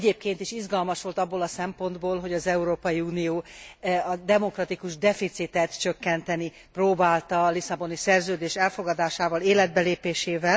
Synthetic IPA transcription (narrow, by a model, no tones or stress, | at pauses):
ɛɟeːp̚keːn̪t̪iʃizɡɒlmɒʃʋo̞lt̪ɒbːoːlɒsɛmpo̞nd̪boːlɦo̞ɟɒzɛuɾoːpɒjiuːnijoːɒd̪ɛmo̞krɒt̪ikuʒd̪ɛfit̪sit̪ɛt̪t͡ʃø̞kːɛnt̪ɛni | proːbaːlt̪ɒlisɒbo̞nisɛrzøːd̪eːʃɛlfo̞ɡɒd̪aːʃaːvɒleːlɛd̪̚bɛleːpeːʃeːvɛl